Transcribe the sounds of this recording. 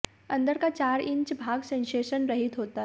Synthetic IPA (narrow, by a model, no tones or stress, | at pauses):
ɐ̃nd̪əɾkat͡ʃaːɾɪ̃ɲt͡ʃbʱaːɡsẽːnseːʃənɾɐɦit̪ɦoːt̪a